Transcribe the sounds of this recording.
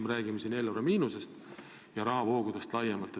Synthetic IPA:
meɾæːɡ̥imesiːne̞ːlːoɾɑmiːnuse̞st̪ | jɑɾɑɦɑvo̞ːɡ̥ud̥̪est̪lɑjemɑlt̪ːˑe

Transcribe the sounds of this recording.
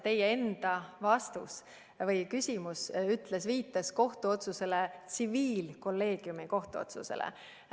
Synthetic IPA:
t̪e̞jee̞nd̪̥ɑvɑst̪ṵs | vɤjkysʲimusyt̪ˑlesviːt̪ːˑɑsko̞ht̪uo̞t̪suse̞let̪siviːlko̞lːe̞ːɡ̥jumiko̞ht̪uo̞̰t̪sṵsḛlḛ

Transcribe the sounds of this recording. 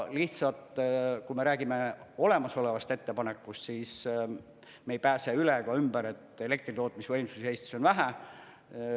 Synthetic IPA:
liht̪sɑt̪kume̞ɾæːɡ̥ime̞o̞le̞mɑso̞le̞vɑst̪et̪ːe̞pɑne̞kːˑust̪siːs | mejpæːse̞ylekɑymb̥æɾe̞t̪ˑe̞le̞k̚t̪rit̪o̞ːt̪̚ˑmisvɤjmsusehe̞ːst̪i̥so̞nvæɦæ

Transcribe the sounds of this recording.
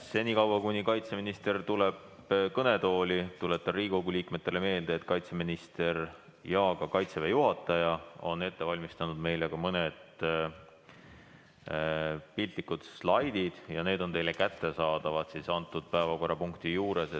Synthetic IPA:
se̞nʲikɑwbɑkunʲikɑjt̪se̞minist̪e̞rt̪ule̞b | kɤne̞t̪o̞ːlʲit̪ule̞t̪ːɑriːko̞ɡuliːkme̞t̪ˑːe̞le̞me̞ːld̪eːt̪ːkɑjt̪seminist̪e̞r | jɑːɡ̥ɑkɑjt̪sevejuɦɑt̪ːˑɑjɑo̞̰ne̞t̪ːe̞vɑlʲmist̪ɑnud̪me̞jlɡ̥ɑmɤned̪̥ | pilt̪likːud̪̥slɑjd̪̥id̪̥jɑne̞ːd̪ont̪e̞jle̞kæt̪ːe̞sɑːd̪ɑvɑt̪sisɑnt̪ːˑud̪̥̚pæevɑko̞rːɑpuŋkt̪ijuːɾe̞se

